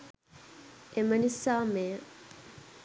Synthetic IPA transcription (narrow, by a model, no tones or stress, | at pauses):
emənisːaːmeːə